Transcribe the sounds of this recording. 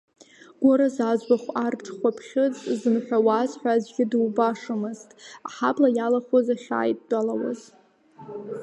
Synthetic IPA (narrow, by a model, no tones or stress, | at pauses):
ɡ̥ʷoɾazazbaχʷartʰχʷapʰχʲɪt͡sʼzɨnħʷᶣawazħʷᶣazɡʲɪdɨwbaʂɨmɨztʼa̰ħablajalaχʷozaχʲa̰ːjtʼːalawa̰z